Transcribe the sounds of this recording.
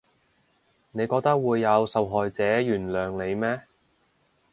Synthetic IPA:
ne˨˧jkɔː˧k̚t̪ɐ˥k̚wuː˨˧jːɐ˨˧wsɐ˨wɦɔː˨jt͡sɛː˨˥jyː˨˩nlœː˨ŋle˨˧jmɛː˥

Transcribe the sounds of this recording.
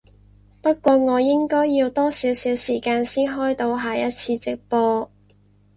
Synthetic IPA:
pɐ˥t̚kʷɔː˧ŋɔː˨˧jɪ˥ŋkɔː˥jːiː˧wt̪ɔː˥siː˨˥wsiː˨˥wsiː˨˩kaː˧nsiː˥nɦɔː˥jt̪o˧wɦaː˨jɐ˥t̚t͡sʰiː˧t͡sɪ˨k̚pɔː˧

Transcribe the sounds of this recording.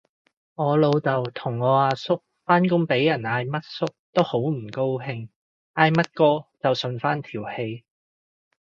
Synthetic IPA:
ŋɔː˨˧lo˨˧wt͡sɐ˨wt̪ʰʊ˨˩ŋːɔː˨˧aː˧sʊ˥k̚ | faː˥nkʊ˥ŋpe˨˥jjɐ˨˩naː˧jmɐ˥t̚sʊ˥k̚t̪o˥who˨˥wm̩˨˩ko˥wɦɪ˧ŋ | aː˧jmɐ˥t̚kɔː˥t͡sɐ˨wsɵ˧nfaː˥nt̪ʰiː˨˩whe˧j

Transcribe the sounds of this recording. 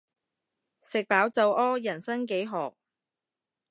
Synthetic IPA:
sɪ˨k̚paː˨˥wt͡sɐ˨˧wʔɔː˥jɐ˨˩nsɐ˥ŋk̬e˨˥jɦɔː˨k̚

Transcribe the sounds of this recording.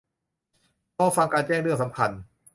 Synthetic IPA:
kɔː˧˥˩fa˧ŋkaː˧nt͡ɕɛː˥˩ŋɾɯ˥˩əŋsa˩˦mkʰa˧n

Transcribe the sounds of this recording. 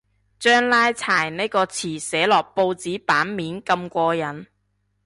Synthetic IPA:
t͡ʃœː˥ŋlaː˥jt͡sʰaː˨˩jne˥jkɔː˧t͡sʰiː˨˩sɛː˨˥lɔː˨˩k̚po˧wt͡siː˨˥paː˨˥nmiː˨˥nkɐ˧mkʷɔː˧jɐ˨n

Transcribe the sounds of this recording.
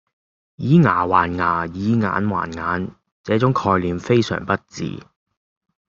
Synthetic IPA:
jiː˨˥ŋaː˨˩waː˨˩nŋaː˨˩jiː˨˥ŋa̰ː˨˥nwa̰ː˨˩nŋaː˨˥n | t͡sɛː˨˥t͡sʊ˨˥ŋkʰɔː˧jliː˨˧mfe˥jsœ̰ː˨˩ŋpɐ˥t̚t͡sḭː˨

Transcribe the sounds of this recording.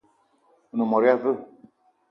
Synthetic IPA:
u˨nu˨mɔ˨ɾi˦a˦və˦˨

